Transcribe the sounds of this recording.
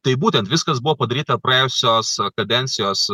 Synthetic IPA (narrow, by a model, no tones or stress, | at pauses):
t̪ɐɪbuːt̪ʲɛnt̪ʋʲɪskɐsbʊʋoːpɐd̪ɐɾʲiːt̪ɐpɾɐjɛʊsʲoːskɐd̪ʲɛnʲt̪sʲɪjoːs